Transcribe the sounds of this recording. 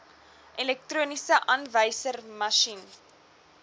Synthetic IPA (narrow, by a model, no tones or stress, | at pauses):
ʔɛlɛk̚truənisəʔɐnvəjsərmɐʃin